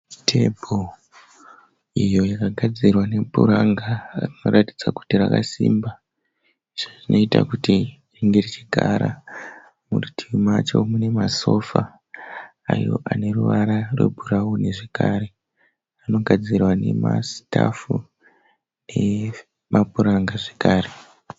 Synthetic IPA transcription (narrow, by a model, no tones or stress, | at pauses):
tʰebʱo | ijo̞jakaɡʱad͡zirwane̞bʱṵɾaŋɡarino̞rʔatid͡zaku̥tiraka̰siːmba | iʐoʐino̞itakuti | riŋɡe̞rit͡ʃiɡʱaɾa̰ | muutʰimat͡ʃo̞̰mune̞maso̞fa̰ː | jo̞̰ʔane̞ruʋaɾarwḛbʱurauneʐe̞kaːɾe̞ | ano̞ɡʱad͡zirwane̞̰masi̥tafu | ne̞ | mapuɾaŋɡaʐekaːre